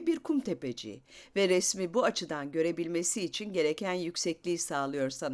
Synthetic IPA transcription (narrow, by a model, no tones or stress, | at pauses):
biɾkʰumt̪ʰe̞ped͡ʒḭvɛɾɛsmibuat͡ʃʰɯd̪anɟø̞ɾe̞bilʲme̞siːt͡ʃʰinɟe̞ɾe̞cʰænjycʲsɛclʲiːsaːlˠɯjo̞ɾsan